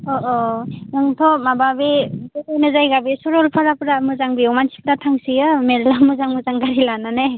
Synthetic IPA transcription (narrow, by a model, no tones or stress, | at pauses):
ɔʔɔnɯŋtʰɔmababebɔajnazajɡabisɔɾɔlpʰaɾapɾamɯzaŋbiɔmansi̥pɾatʰaŋsijɯmeɾlamɯzaŋmɯzaŋɡaɾilanane